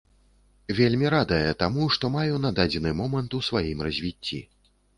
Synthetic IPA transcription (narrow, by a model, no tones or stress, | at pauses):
vʲelʲmʲiɾad̪ɐjɛt̪amuʂt̪ɔmajunad̪ad͡zʲɛnɨmɔmɐnt̪usvajimrɐzʲvʲit͡sʲːḭ